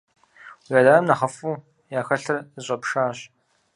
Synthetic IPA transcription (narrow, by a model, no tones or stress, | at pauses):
wjaːdaːɐmnɐχɐfuː | jaːxɐɬɐrɕʷʼɐpʂaːɕ